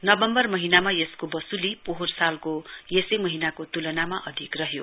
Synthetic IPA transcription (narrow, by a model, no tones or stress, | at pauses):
nʌbʌmbʌrmʌɦinamajeskobʌsulipoɦorsalkojesejmʌɦinakot̪ulʌnamaʔʌd̪ʱikrʌɦjo